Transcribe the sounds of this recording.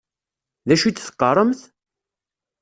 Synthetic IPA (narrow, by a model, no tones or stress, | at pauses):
ðæʃit͡sːθə̥qːərˤəmθ